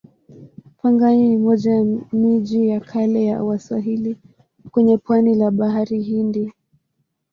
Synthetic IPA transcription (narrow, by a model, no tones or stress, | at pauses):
paŋɡaɲiimɔʄamiʄijakʰalɛjawaswaɦili | kwɛɲɛpwanilaɓaɦaɾihindi